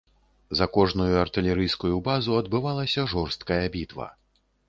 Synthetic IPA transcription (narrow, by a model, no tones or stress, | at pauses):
zɐkɔʐnujuɐrt̪ɨlʲɛɾɨjskujubazuɐd̪bɨvalˠɐsʲɐʐɔrst̪kɐjɐbʲit̪vɐ̰